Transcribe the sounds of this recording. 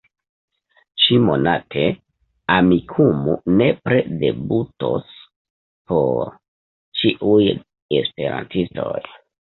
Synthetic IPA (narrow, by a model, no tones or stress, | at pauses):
t͡ʃimo̞natʰe̞ | amikʰumune̞pɾede̞buto̞̰s | po̞ɾ | t͡ʃiʔuj | espe̞ɾa̰ntisto̞̰j